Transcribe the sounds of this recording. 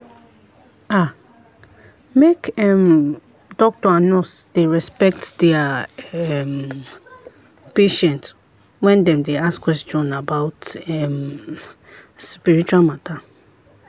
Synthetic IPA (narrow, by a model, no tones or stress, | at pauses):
a | mekɛm | dɔk̚tɔanɔsd̥eɹɛspɛk̚tdɛaɛm | peʃɛ̃nt | wɛ̃ndɛ̃mdeaskwɛstɔ̃nabawtɛm | spiɹit͡ʃualmata